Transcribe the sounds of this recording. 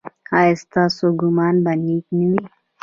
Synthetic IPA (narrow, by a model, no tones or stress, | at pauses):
aːɪst̪asoɡumaːnbɐniːkniwi